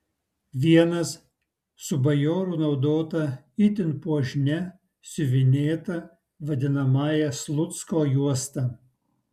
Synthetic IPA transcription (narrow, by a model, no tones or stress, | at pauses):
ʋʲiɛnɐs | sʊbɐjoːɾʊnɒʊd̪oːt̪ɐ | ɪt̪ʲɪnpuɔʒʲnʲɛ | sʲʊʋʲɪnʲeːt̪ɐ | ʋɐd̪ʲɪnɐmɑːjɛslˠʊt̪skoːjuɔst̪ɐ